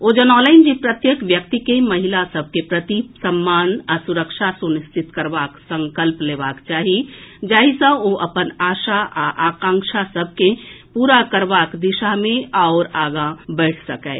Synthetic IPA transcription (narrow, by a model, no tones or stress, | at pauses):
od͡ʒənɔləɪnd͡ʒipɾət̪jəkʋjəkt̪ikeməɦilasəb̚ʱkepɾət̪isəmːanasuɾəkʃʰasunist̪ʰit̪kəɾbaksə̃ŋkəlplebakt͡ʃaɦid͡ʒaːɦisə̃oʔəpənaʃaaʔakãŋkʃʰasəbʱkepuɾakəɾbakd̪iʃamẽaʊɾaɡabɛɪʈʰsəkəɪ